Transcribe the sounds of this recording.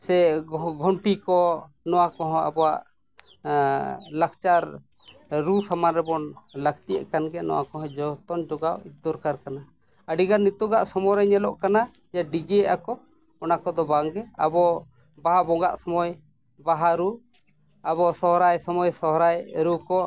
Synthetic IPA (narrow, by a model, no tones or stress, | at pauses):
sɛɡʱɔɳʈikɔ | nɔwakɔɦɔ̃a̰bɔwaʔ | lak̚t͡ʃaɾ | ɾusamanɾɛbɔnləɡt̪ijɛ̰ʔkanɡɛnɔ̰wa̰kɔɦɔ̃d͡ʒɔt̪ɔnd͡ʒɔɡawit͡ʃ̚d̪ɔɾkaɾkana | əɖiɡanːit̪ɔɡaʔsɔmɔɾɛɲɛlɔʔkana | d͡ʒaɖiɡɛʔakɔ | ɔnakɔd̪ɔbaŋɡɛa̰bɔ | baɦabɔɡa̰ʔsɔmɔj | baɦaɾu | abɔsɔɦɾajsɔmɔjsɔɦɾajɾukɔ